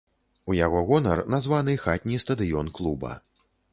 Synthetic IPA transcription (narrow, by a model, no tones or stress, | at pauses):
ujaɣɔɣɔnɐ̰rnazvanɨxat̪ʲnʲist̪ɐd̪ɨjɔnklˠubɐ̰